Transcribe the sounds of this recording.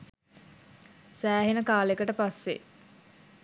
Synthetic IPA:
sæːɦenəkaːlekəʈəpasːe

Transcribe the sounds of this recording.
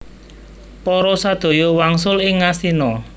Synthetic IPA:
pɔɾɔsad̪̥o̤jɔwaŋsʊlɪŋːast̪inɔ

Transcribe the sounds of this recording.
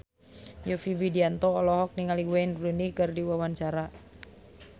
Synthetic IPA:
jofibidiant̪ɔːlɔɦɔk̚niŋaliɡwanrunikɨrdiwawant͡ʃaɾa

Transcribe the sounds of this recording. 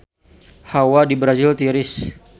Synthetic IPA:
hawadibɾazɪlt̪iɾɪs

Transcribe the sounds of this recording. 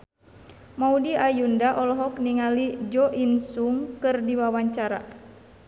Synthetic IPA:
maudiajundaʔɔlɔɦɔk̚niŋalid͡ʒɔʔinsuŋkɨrdiwawaɲt͡ʃaɾa̰

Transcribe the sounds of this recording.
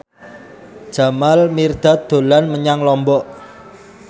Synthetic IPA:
d̥ʒ̥a̤malmird̪̥a̤t̪̚d̪̥o̤lanməɲaŋlɔmbɔʔ

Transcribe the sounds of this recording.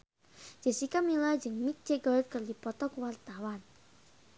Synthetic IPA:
d͡ʒ̥ə̤sikamilajd͡ʒɨŋmik̚d͡ʒ̥eɡɔt̪̚kərdipɔt̪ɔkuwart̪awan

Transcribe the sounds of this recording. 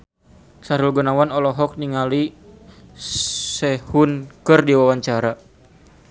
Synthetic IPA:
saɾulɡɔnawanɔlɔɦɔk̚niŋali | sɛhunkɨrdiwawaɲt͡ʃaɾa

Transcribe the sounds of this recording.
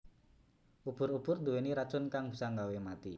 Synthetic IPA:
ʔub̥ʊɾub̥ʊrd̪uweniɾḁt͡ʃʊnkaŋbi̤saŋɡawemat̪i

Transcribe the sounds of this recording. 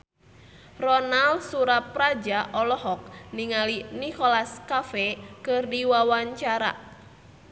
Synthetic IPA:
rɔnalsuɾap̚rad͡ʒaʔɔlɔɦɔk̚niŋalinikɔlaskafɛkɨrdiwawaɲt͡ʃaɾa̰

